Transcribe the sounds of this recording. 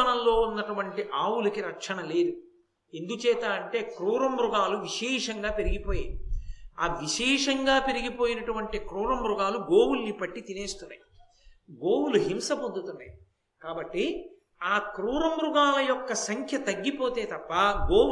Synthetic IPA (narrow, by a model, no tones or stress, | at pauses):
ɐnɐllːo̞ːunːɐʈuʋɐɳʈiʔaːwulɐkiɾɐkʂɐɳɐle̞ːd̪u | e̞nd̪ut͡ʃɛːt̪aːɐɳʈe̞ːkɾuːɾɐmbɾuɡaːluʋiʂɛːʂɐŋɡaːpe̞ɾiɡipoːjaːɐ̰ʋiʂɛːʂɐŋɡaːpe̞ɾiɡipo̞ːjinɐʈuʋɐɳʈikɾuːɾɐmbɾuɡaːluɡoːwulːipɐʈːit̪ine̞ːst̪unːa̰j | ɡoːwuluɦimsɐpo̞nd̪ut̪unːa̰ji | kaːbɐʈːi | aːkɾuːɾɐmbɾuɡaːlɐjɔkːɐsɐŋkʰjɐt̪ɐɡːipo̞ːt̪e̞ːt̪ɐpːɐɡoː